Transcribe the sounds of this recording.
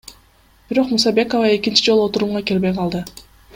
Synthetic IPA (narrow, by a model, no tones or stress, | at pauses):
b̥iɾo̞qmusɑbe̞ko̞vɑe̞kint͡ʃid͡ʒolˠuo̞t̪uɾumʁɑkʲe̞lbe̞jqʰɑlˠd̪ɯ